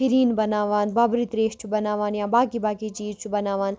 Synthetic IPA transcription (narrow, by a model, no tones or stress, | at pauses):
piɾiːnbɐnaːʋaːnbaːbɾit̪ɾeːʃt͡ʃʰubɐnaːʋaːnjãːbaːkibaːkit͡ʃiːɾt͡ʃʰubɐnaːʋaːn